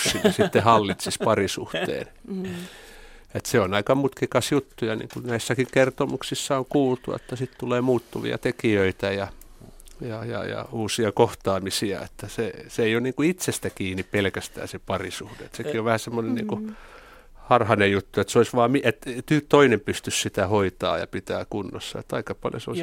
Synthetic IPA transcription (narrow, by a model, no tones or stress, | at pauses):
inisit̪ːehɑlːit̪sispɑrisṵht̪ḛːn | et̪seonɑikɑmut̪kikɑsjut̪ːujɑnḭːŋkunæisːækiŋkert̪omuksisːɑoŋkuːlt̪ṵɑ̰t̪ːæsit̪t̪uleːmuːt̪ːuʋḭɑ̰t̪ekiøit̪æjɑ | jɑjɑ̰jɑ̰uːsiɑkoht̪ɑːmisiɑ̰ḛt̪ːæseseeijonniːŋkuit̪sest̪ækiːnippelkæst̪æ̰ːsepɑrisuhdḛet̪sekioʋʋæhæsemːonennḭːŋku | hɑrhɑnejut̪ːuet̪seoisʋɑːmiet̪t̪yt̪oinempyst̪yssit̪æhoit̪ɑ̰ːjɑ̰pit̪æ̰ːkunːo̰sːɑ̰ḛt̪ːɑikɑpɑljo̰seoi